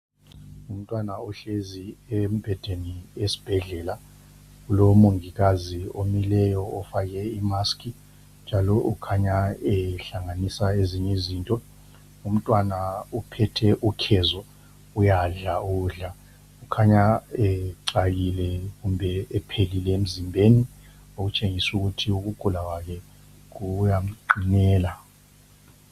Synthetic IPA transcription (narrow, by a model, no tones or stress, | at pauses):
um̩tʼwanaɔɬeziem̩b̥ʱɛd̥ʱeniesi̥b̥ʱɛɮɛːla | kulomuŋik̬aziomilɛjɔɔfak̬ɛimaskʰʼi | nd͡ʒʱalɔʔukʰaɲaɛɬaŋanisaeziɲeziːntʼɔ | um̩tʼwanaupʰɛtʰɛʔukʰɛzɔ | ujaɮauɮa | ukʰaɲaɛǀakilɛkumbʱɛːpʰelilɛem̩zimbʱeni | ok̬ut͡ʃʼeŋisuk̬utʰiuk̬uɡ̥ʱulakwak̬ʰɛ | k̬ujam̩ǃinɛːla